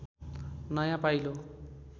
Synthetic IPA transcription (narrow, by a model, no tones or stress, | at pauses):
nʌjãpajlo